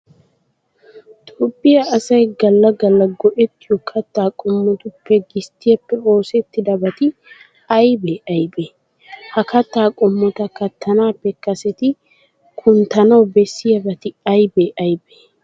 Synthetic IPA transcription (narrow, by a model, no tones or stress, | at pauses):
t̪ʼopʼːɪjɐːsɐjɡɐlːɐɡɐlːɐɡɔʔɛt̪ːɪjɔkʰɐt̪ːaːkʼɔmːɔt̪ʊpːɛɡɪst̪ɪjɐpːɛo̞ːsɛt̪ːɪd̪ɐbɐt̪ɪ | ɐjbeʔɐjbe | hɐkɐt̪ːaːkʼɔmːɔt̪ɐkɐt̪ːɐnaːpːɛkɐsɛt̪ɪ | kʰʊnt̪ɐnɐwbɛsːɪjɐbɐt̪ɪɐjbeʔɐjbe